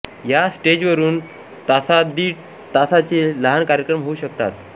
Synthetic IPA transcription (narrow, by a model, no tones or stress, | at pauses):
jasʈed͡ʑʋəɾuːn | t̪asad̪iːʈ | t̪asat͡seləɦankaɾjəkɾəmɦouɕək̚t̪a̰t̪